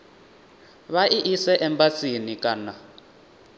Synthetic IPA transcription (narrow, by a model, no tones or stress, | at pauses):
βaʔiʔisɛʔɛmbat͡sʼinikʼaːna